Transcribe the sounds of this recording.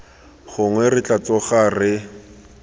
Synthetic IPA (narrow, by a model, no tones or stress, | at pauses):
χʊŋwɛrɪt͡ɬʼat͡sɔχarɪ